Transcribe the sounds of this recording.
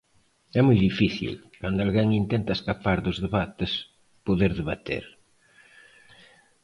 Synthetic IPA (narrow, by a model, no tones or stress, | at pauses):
ɛmujðifiθḭl | kand̪ʊalɣeŋint̪ent̪ɐeskapaɾðʊzðeβat̪ɪs | poðeɾðeβat̪ḛɾ